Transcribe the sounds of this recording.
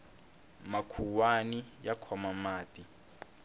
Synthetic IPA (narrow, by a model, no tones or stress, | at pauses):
makʰuwanijakʰɔmamaːtʼi